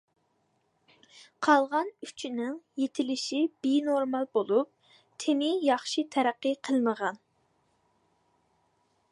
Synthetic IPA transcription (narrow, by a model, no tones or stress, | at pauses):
qʰɑlˠʁɑnyt͡ʃʰinɪŋjet̪ʰɪlɪʃib̥enoɾmɑlˠbolˠup̚ | t̪ʰemɪjɑχʃɨt̪ʰɛɾæqːəqʰəlˠnəʁɑn